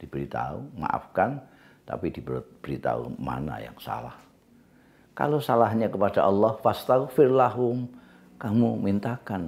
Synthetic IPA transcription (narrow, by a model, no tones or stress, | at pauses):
d̥ib̥əɾit̪a̰ṵma̰ʔa̰fkan | t̪a̰pidibət̪̚b̥əɾit̪a̰ṵma̰na̰ja̰ŋsa̰lah | ka̰losalahɲakəpad̥aʔɑlːɔhfast̪afɪrlaɦʊm | kamumint̪akan